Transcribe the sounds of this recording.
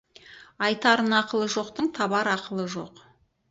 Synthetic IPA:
ɑjt̪ɑɾənɑqəlˠəʒo̞qt̪əɴt̪ʰɑbɑɾɑqəlˠəʒo̞̰q

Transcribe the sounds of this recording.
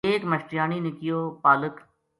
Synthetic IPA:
eːkmɐʃʈɪjaːninɪkɪjoːpaːlək

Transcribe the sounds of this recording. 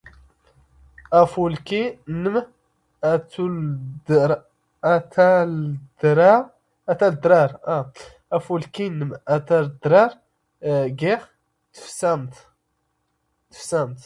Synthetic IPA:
æfulkinəm | æt̪udɾ | t̪æd̪ɾɑ | æt̪æld̪ɾɑɾˤa | æfulkinəmæt̪æld̪ɾɑɾ | ɡiχ | t̪ə̥fsæmt̪ | t̪ːə̥fsæmt̪

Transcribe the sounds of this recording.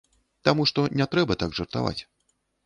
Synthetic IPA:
t̪amuʂt̪ɔnʲɛt̪ɾɛbɐt̪aɡʐɐrt̪a̰va̰t͡sʲ

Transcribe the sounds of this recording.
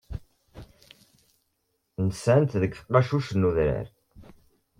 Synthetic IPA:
nəsænt̪ðəkːfə̥qːɑʃuʃənːuðɾə̰ɾ

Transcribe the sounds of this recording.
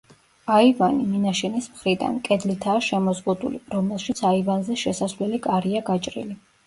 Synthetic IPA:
aivaniminaʃɛnismχɾid̪a̰nkʼɛd̪lit̪ʰaːʃɛmɔzʁud̪ṵlḭɾɔmɛlˠʃit̪sʰaivanzɛʃɛsasvlɛlikʼaɾiaɡat͡ʃʼɾḭli

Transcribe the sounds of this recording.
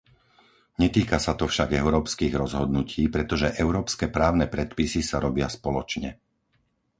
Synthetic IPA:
ɲɛt̪iːkasat̪ɔfʃaɡɛʊɾɔːpskiːɣɾɔzɦɔd̪nucʰiːpɾɛt̪ɔʒɛʔɛʊɾɔːpskɛːpɾaːʊnɛpɾɛt̪pisisaɾɔbɪaspɔlɔt͡ʃɲɛ

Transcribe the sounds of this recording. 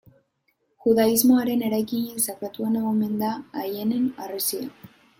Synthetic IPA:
xuðaizmo̞aɾe̞ne̞ɾajkiɲesakɾat̪uenaɣome̞nd̪aːjene̞naresia

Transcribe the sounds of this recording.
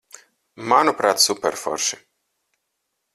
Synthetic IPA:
manupɾaːt̪supɛɾfɔ̰ɾʃi̥

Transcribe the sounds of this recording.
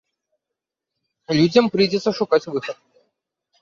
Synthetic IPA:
lʲudʲɐmpɾɨjdʲɪt̪səʂʊkat͡sʲvɨxət̪̚

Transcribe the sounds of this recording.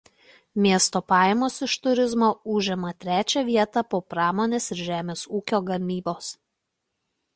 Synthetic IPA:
mʲiɛst̪oːpɑːjɛmoːsɪʃt̪ʊɾʲɪzmoːʊʒʲɛmɐt̪ʲɾʲæːt͡ʃʲɛʋʲiɛt̪ɑpoːpɾɑːmoːnʲeːsɪɾʒʲæːmʲeːsuːkʲoːɡɐmʲiːboːs

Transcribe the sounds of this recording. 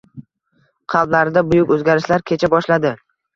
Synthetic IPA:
qʰɑlˠblaɾɪd̪abʊjʊkʲɵzɡʲaɾɪʃlaɾkʲʰe̞t͡ʃʰabɒʃlad̪ɪ

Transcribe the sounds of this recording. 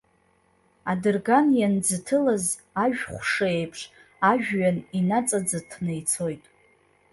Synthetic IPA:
adɨrɡanjand͡zɨtʰɨlaz | aʒᶣχʷʂɨe̞jpʰʂ | aʒᶣːaninat͡sʼad͡zatʰnejt͡sʰo̞jtʼ

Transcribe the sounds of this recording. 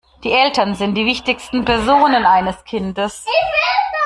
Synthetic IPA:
d̥iːʔɛltɐnzɪnt̚d̥iːvɪçtɪçstn̩pɛɐzoːnənʔaɪnəskʰɪndəs

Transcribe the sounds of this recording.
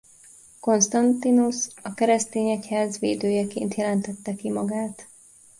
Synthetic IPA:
ko̞nst̪ɒnt̪inusɒkɛɾɛst̪eːɲɛchaːzʋḛːd̪øːjɛkḛːnt̪jɛlɛnt̪ɛt̪ːɛkimɒɡaːt̪

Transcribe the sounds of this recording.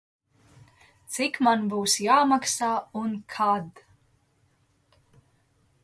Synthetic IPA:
t̪sikmanbuːsjaːmaksaːunkʰad̪

